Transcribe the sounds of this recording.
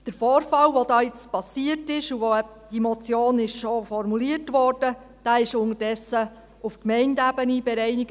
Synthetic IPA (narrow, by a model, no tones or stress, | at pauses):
d̥əɾfɔːɾfɑwʋodɑːɪt͡spɑsiətɪʃuʋoɛ | d̥imɔt͡sjoːnɪʃʃofɔɾmuliətʋɔːrd̥ə | d̥æːɪʃʊŋədɛsːə | ufkmɛɪndæbənibɛɾɛɪniɡ